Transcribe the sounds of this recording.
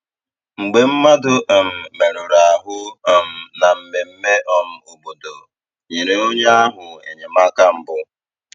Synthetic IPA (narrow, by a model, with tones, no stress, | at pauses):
ŋ͡m̩˨ɡ͡be˨m̩˦ma˦dʊ˦ʔm̩˨me˨ɾʊ˨ɾa˨a˨ɦʊ˦˨m̩˨na˨m̩˨me˨m̩˦me˦ʔɔ˦m̩˦o˨bo˨do˨ | ɲi˨ɾe˨o˦ɲe˦a˦ɦʊ˨ḛ˨ɲe˨ma˦ka˦m̩˨bʊ˦